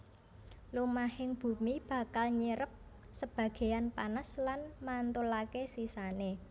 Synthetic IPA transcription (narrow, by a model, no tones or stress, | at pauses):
lumahɪŋb̥ṳmib̥ä̤kalɲəɾəp̚ | səb̥ä̤ɡ̥e̤janpanaslanmant̪ulakesisane